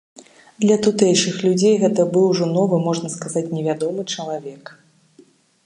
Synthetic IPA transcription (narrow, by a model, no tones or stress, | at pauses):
d̪lʲɐt̪ut̪ɛjʂɨxlʲud͡zʲejɣɛt̪ɐbɨwʐɔnɔvɨmɔʐnɐskazat͡sʲnʲɛvʲad̪ɔmɨt͡ʂɐlˠavʲɛk